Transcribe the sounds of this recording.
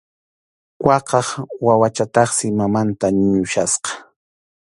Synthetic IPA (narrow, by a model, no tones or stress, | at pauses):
kwɑqɑχwawat͡ʃat̪ɑχsɪmamant̪aɲʊʃasqɑ̥